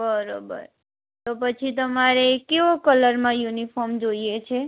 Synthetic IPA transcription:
bəɾobə̰ɾ | t̪op̬ət͡ʃʰit̪əmaɾekeʋokələɾmãjunifʰɔɾmd͡ʒoiet͡ʃʰe

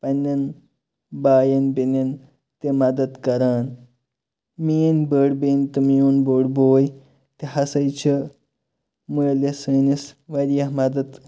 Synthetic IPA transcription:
pɐnʲːɐn | baːjɐnbinin | t̪emɐd̪ət̪kɐɾaːn | miːnbəɽbent̪umjonboːɽboːj | t̪eɦɐsɐjt͡ɕʰɐ | mujlesənisʋɐɾjɐɦmɐd̪ɐt̪

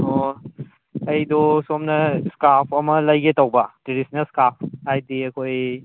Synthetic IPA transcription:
o | ɐjdosomnɐskapʰɐmɐlɐjɡetawbɐteɾisnɐskap̚ʰhajdiɐkʰoj

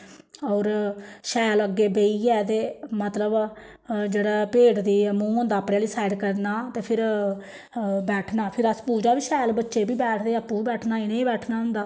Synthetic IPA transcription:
ɔːɾʃɛːləɡeːbeːiːɛːt̪eːmət̪ləb | d͡ʒeːɽaːpeːʈd̪iːmũːɦõːnd̪aːəpɽeːliːsaːɪɖkəɾnaːt̪eːpʰɪɾ | bɛːʈʰnaːpʰɪɾəspuːd͡ʒaːbiːʃɛːlbətːʃeːbiːbɛːʈʰd̪eːəpːũːiːbɛːʈʰnaːɪnẽːiːbɛːʈʰnaːɦʊ̃nd̪aː

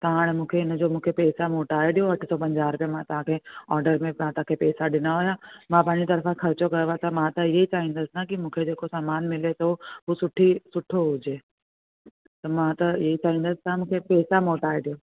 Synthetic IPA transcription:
t̪ɐɦaːɽ̃mũːkʰeɪnəd͡ʑoːmũːkʰepɛːsamoːʈaːeɗijoɐʈʰsɔpɐ̃ɲd͡ʑaːɾpjẽmãt̪ɐɦãkʰeɔːɾɖəɾmẽmãt̪ɐãkʰepɛːsaɗɪnaɦʊjamãpaːɲd͡ʑit̪ɐɾfãxʰɐɾt͡ɕokɐɾʋat̪ɐmãt̪ɐɪɦeit͡ɕaːɦĩːnd̪əsɪnakimũːkʰed͡ʑeːkosaːmaːnmɪlet̪oɦusʊʈʰisʊʈʰoɦʊd͡ʑeː | t̪ɐmãt̪ɐɪɦeit͡ɕaːɦĩːnd̪əsɪ̥t̪ɐãmũːkʰepɛːsamoːʈaːeɗijoː

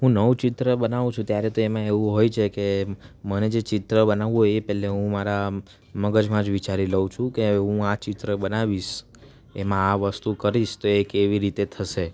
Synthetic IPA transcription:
ɦũnəʋt͡ʃɪt̪ɾəbənaʋũt͡ʃʰũt̪jaɾet̪oemãeʋũɦojt͡ʃʰekeməned͡ʒet͡ʃɪt̪ɾəbənaʋũɦojepɛɦleɦũmaɾa | məɡəd͡ʒmãd͡ʒʋit͡ʃaɾiləũt͡ʃʰũkeɦũat͡ʃɪt̪ɾəbənaʋiʃ | emãːʋəst̪ukəɾiʃt̪oekeʋiɾit̪et̪ʰəʃe

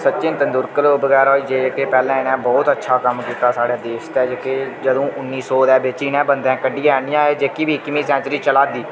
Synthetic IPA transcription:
sətːt͡ʃɪ̃nt̪ənd̪ʊɾkəloːbəɡɛːɾɔːiːd͡ʒeːkeːpɛːlɛ̃ːɪnɛ̃ːbɔːt̪ətːʃʰaːkəmkiːt̪aːsaːɽɛːd̪eːʃt̪ɛːd͡ʒkeːd͡ʒəd̪õːʔʊnːiːsɔːd̪ɛːbet͡ʃiːnɛ̃ːbənd̪ɛ̃ːkəɖijɛːɳɪ̃jãːeːd͡ʒeːkiːbiːɪkːɪmiːsɛ̃ːt͡ʃɾiːt͡ʃəlaːd̪iː

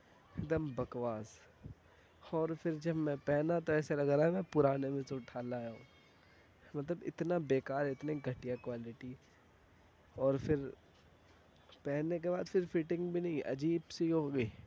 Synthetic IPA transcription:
ɪkd̪əmbɐkʋaːz | ɔːɾfʰɪɾd͡ʒɐbmɛ̃pɛɦnat̪oɛːselɐɡɾaːɦɛmɛ̃pʊɾaːnemẽsoʈʰaːlaːjaɦũː | mɐt̪ləbɪ̰t̪nabeːkaːɾɪt̪niɡʱɐʈijakwaːlɪʈi | ɔːɾfʰɪɾ | pɛːɦnːek̬ebaːd̪fʰɪɾfɪʈɪ̃ŋɡbʱinɐɦĩʔɐ̰d͡ʒiːbseiɦoːɡəiː

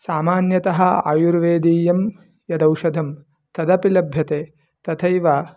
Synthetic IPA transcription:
saːmaːnjɐt̪ɐɦɐ̆a̰ːjuɾʋeːd̪iːjɐm | jɐd̪ɐwʃɐd̪ʱɐm | t̪ɐd̪ɐpilɐbʱjɐt̪eː | t̪ɐt̪ʰɐjʋaː

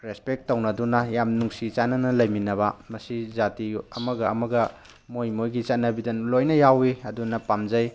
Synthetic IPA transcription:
ɾespek̚tːownɐdunɐjamnuŋsit͡ʃanɐnɐlɐjminɐbɐmɐsizatiɐmɐɡɐɐmɐɡɐ | mojmojɡit͡ʃɐt̚nːɐbidɐnlojnɐjawiɐdunɐpamzɐj

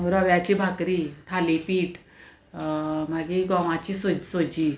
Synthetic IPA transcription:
ɾəʋjat͡ɕibʱakɾit̪ʰalipiːʈ | maɡiɡɔʋat͡ɕiːsod͡ʑsod͡ʑi

